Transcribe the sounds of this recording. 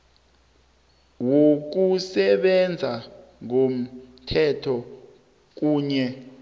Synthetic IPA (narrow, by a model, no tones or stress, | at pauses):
wok̬usɛɓɛnd͡zʱaŋom̩tʰɛtʰɔ | k̬uːɲɛ